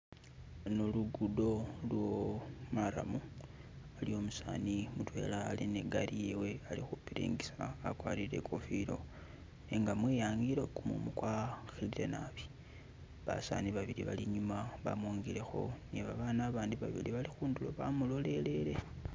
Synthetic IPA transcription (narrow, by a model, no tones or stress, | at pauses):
noluɡudo̞lwo̞maɾa̰mu | alio̞musa̰ːnimutwe̞̰laːlineɡaɾije̞we̞alixupiɾḭːŋɡisaːkwaːlile̞̰kʰofilo̞̰ | eŋɡamwiːjaːŋɡiɾo̞kumṵmukwaxilile̞naβi̥ | βa̰sa̰niβaβiliβa̰liɲumaβa̰mwoːŋɡile̞xo̞̰neβaβaːnaːβaːndiβaβḭliβalixuːndulo̞βamulo̞le̞le̞le̞